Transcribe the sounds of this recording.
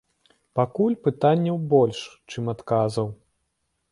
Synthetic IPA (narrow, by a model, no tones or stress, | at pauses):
pakulʲpɨt̪anʲːɛwbɔlʲʂt͡ʂɨmat̪kazɐw